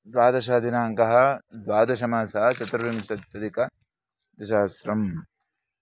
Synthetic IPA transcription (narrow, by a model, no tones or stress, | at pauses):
d̪ʋaːd̪ɐʃɐd̪inaːŋkɐɦɐd̪ʋaːd̪ɐʃɐmaːsɐɦɐt͡ʃɐt̪ɾɐʋimʃɐt̪jɐd̪ikɐ | d̪ɐʃaːsɾɐm